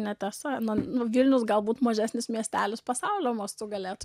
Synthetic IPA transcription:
nʲɛt̪ʲɛsɐnʊnʊʋʲilʲnʲʊsɡɐlˠbuːt̪mɐʒʲæːsʲnʲɪsmʲiɛsʲt̪ʲæːlʲʊspɐsɑʊlʲoːmɐst̪ʊɡɐlʲeːt̪

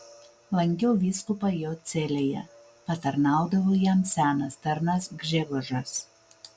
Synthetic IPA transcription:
lˠɐŋʲkʲɛʊʋʲiːskʊpɐjoːt̪sʲelʲeːjɛ̰ | pɐt̪ɐɾnɑˑʊd̪ɐʋoːjɛmsʲæːnɐst̪ɐɾnɐsɡʒʲɛɡʊʒɐs

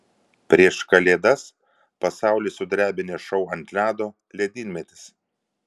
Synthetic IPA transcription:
pʲɾʲiɛʃkɐlʲeːd̪ɐs | pɐsɑˑʊlʲesʊd̪ɾʲæːbʲɪnʲeʃɐʊɐnʲt̪ʲlʲæːd̪oː | lʲɛd̪ʲiːnʲmʲɛt̪ʲɪ̥s

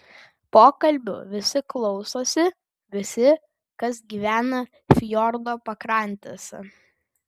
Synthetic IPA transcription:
poːkɐlʲbʲʊ̰ʋʲɪsʲɪklˠɒʊsoːsʲɪ | ʋʲɪsʲɪ | kɐsɡʲiːʋʲæːnɐ | fʲjɔɾd̪oːpɐkɾɐˑnʲt̪ʲeːsɐ̰

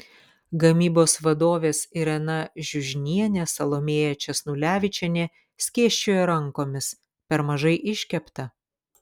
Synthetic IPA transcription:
ɡɐmʲiːboːsʋɐd̪oːʋʲeːsɪɾɛnɐʒʲʊʒʲnʲiɛnʲɛsɐlˠoːmʲeːjɛt͡ʃʲɛsnulʲæːʋʲɪt͡ʃʲɛnʲeː | sʲkʲeːʃʲt͡ʃʲoːjɛɾɐŋˑkoːmʲɪs | pʲɛɾmɐʒɐɪʔɪʃʲkʲɛpt̪ɐ

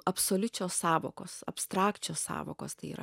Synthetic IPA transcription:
ɐpsoːlʲʊt͡ʃʲoːssɑːʋoːko̰ːssɐpst̪ɾɑːkt͡ʃʲoːssɑ̰ːʋoːko̰ːst̪ɐɪḭːɾɐ̰

